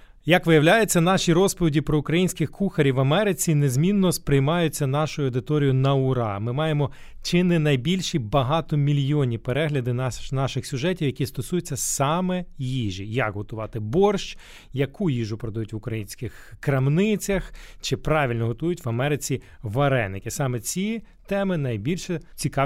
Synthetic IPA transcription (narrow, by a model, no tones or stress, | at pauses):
jɐkʋɪjɐwlʲajʊt͡sʲːɐnɑʃʲiɾɔspɔʋʲidʲipɾɔʊkɾɐjinʲsʲkɪxkuxɐɾʲiʋɐmɛɾɪt͡sʲine̞zmʲinːɔspɾɪjmɑjʊt͡sʲːɐnɑʃʊjʊɐwd̪ɪt̪ɔɾʲijʊnɐʊɾɑ̰mɪmɑjemɔ | t͡ʃɪnɪnɐjbʲilʲʃibɐɦɑt̪ɔmʲilʲjɔnʲipeɾɛɦlʲɐd̪ɪnɑʃɪxsʲʊʒɛtʲiwjɐkʲist̪ɔsujʊt͡sʲːɐsɑmɛjiʒijɐkɦɔt̪ʊʋɑt̪ɪbɔrʃt͡ʃ | jɐkʰujiʒʊpɾɔd̪ɐjutʲʋʊkɾɐjinʲsʲkɪx | kɾɐmnɪt͡sʲɐxt͡ʃɪpɾɑʋʲilʲnɔɦɔt̪ujʊtʲʋɐmɛɾɪt͡sʲi | ʋɐɾɛ̰nːɪkʲɪsɑmɛt͡sʲi | t̪ɛmɪnɐjbʲilʲʃɛt͡sʲikɑ